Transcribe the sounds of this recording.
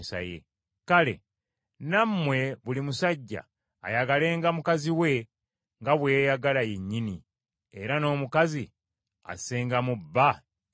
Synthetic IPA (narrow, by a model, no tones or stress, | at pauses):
sa̰jḛ | kale̞̰ | namːwe̞βulimusaɟːa̰ː | jaɡale̞ːŋɡamukaziwe̞ | ŋɡaβwe̞ːjaɡalajeɲːini | e̞ɾano̞ːmukazi | a̰seːŋɡamubːa